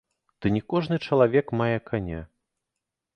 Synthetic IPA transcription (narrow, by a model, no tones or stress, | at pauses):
d̪̥ɨnʲɛkɔʐnɨt͡ʂɐlˠavʲɛkmajɛkʰanʲa̰